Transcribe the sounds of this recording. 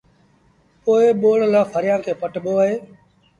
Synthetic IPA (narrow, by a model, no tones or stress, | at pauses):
poːɪɓoːɳlãːpʰəɾɪjãːkʰeːpəʈɓoːəɦeː